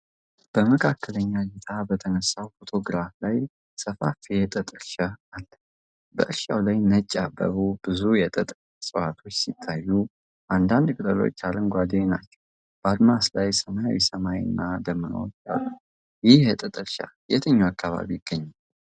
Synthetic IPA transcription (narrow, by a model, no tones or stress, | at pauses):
b̥əməkʰakːələɲːaɡet̪ʰabət̪ʰənəsawfo̞t̪ʰo̞ɡɾaflaj | səfafjɛt̪ʼət̪ʼɨɾʃəalːə | bə̰ʔɨɾʃawlajnət͡ʃʼːabə̰βubɨzujɛt̪ʼət̪ʼ | sʼəwat̪ʰo̞t͡ʃːsit̪ʰːajːu | ʔand̪and̪kʼɨt̪ʼəlo̞̰t͡ʃːalənɡʷad̪ena̰t͡ʃːɛ̥w | b̥əad̪maslajsəmaja̰wisəmajɨ̰nːad̪əmːənə̰wt͡ʃːa̰lːu | jɪhjɛt̪ʼət̪ʼɨɾʃa̰jɛt̪ʰəɲːuakʰːaβa̰βijɪɡ̥ːəɲːa